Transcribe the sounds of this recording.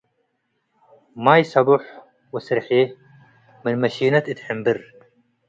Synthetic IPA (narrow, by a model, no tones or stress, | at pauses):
majsabuħ | wɪsɾħe | mɪnmaʃiːnat̪it̪ħɪmbɪɾ